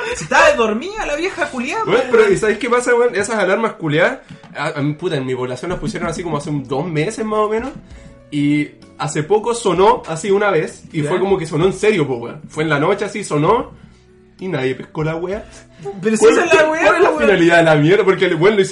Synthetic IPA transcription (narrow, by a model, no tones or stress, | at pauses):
sit̪aðoɾmialaβjexakuljabwepeɾoisaβejkepasawenesasalaɾmahkuljasaamiput̪aenmiβolasjonlahpusjeɾonasiko̞moaseund̪o̞zmesezmasomẽ̞nos | i | asepokoso̞no̞asiunaβesifweko̞mo̞keso̞no̞enseɾjo̞p̬oɣwefweːnlano̞t͡ʃeasiso̞no | inaðje̞pehkolaɣwea | peɾokallawewalelaffinaliðaðelamjeɾðapoɾkelbwenois